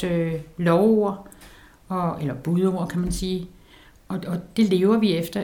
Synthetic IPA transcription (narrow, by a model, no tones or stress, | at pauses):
ølɒʊo̝ɐ | ɒ̽elɐb̥uðˠo̝ːɐ̰kʰæmænsiː | ɒ̽ɒ̽d̥e̝le̝ːʊɐʋiefd̥ɐ